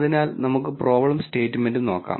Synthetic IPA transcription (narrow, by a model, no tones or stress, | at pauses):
ðinaːlnɐmukːɨpro̞ːbɐɭɐmste̞ːtːɨme̞ndɨno̞ːkːa̰ː